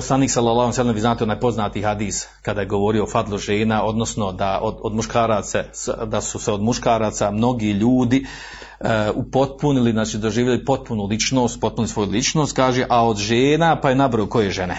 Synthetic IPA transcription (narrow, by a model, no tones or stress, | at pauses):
oslaniːksalːˠalːˠahuojsalːemʋiːznaːt̪eonaːjpo̞znaːt̪iɦad̪iːs | kad̪aːjeɡo̞ʋo̞ːɾio̞ofad̪lˠuʒe̞ːnaʔo̞d̪no̞sno̞d̪aʔod̪od̪muʃkaːɾaːt̪sesd̪asuseod̪muʃkaːɾaːt̪samno̞ɡiʎuːd̪i | upo̞t̪̚puniliznaːt͡ʃiːd̪o̞ʒiːʋjʎajupo̞t̪̚punulit͡ʃno̞ːst̪po̞t̪punilisʋo̞julit͡ʃnost̪̚kaːʒeʔao̞d̪ʒeːnapajenabɾooko̞jeʒe̞ne